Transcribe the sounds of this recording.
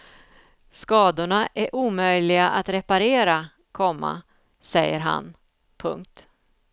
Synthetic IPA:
skɑːd̪ʊɳaʔæɾʔuːmœjlɪɡaʔat̪ɾɛpaɾeːɾa | kʰɔmːa̰ | sɛjːəɾɦa̰n | pʰɵ̰ŋk̚t̪

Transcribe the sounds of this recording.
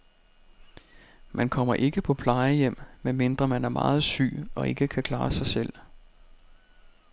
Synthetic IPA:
mænkʰɒ̽m̰ɐʔe̝ɡ̥əpʰɒ̽pʰlɑ̈ɪəjem̰menme̝nd̥ʁɐmænæɐmɑ̰̈ːð̞̩ˠsy̰ːɒ̽ʔe̝ɡ̥əkʰækʰlɑ̈ːsɑ̈ɪsel̰

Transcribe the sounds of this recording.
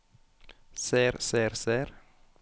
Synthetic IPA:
seːɾseːɾseːɾ

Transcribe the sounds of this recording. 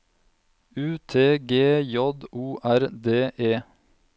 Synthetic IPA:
ʉːt̪ʰeːɡeːjɔd̪uːʔæɾd̪eːʔeː

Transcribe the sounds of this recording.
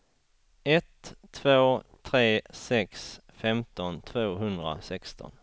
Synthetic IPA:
ɛt̪ʰːvoːt̪ʰɾeːsɛks | fɛmt̪ɔnt̪ʰvoːɦɵnd̪ɾa̰sɛkst̪ɔ̰n

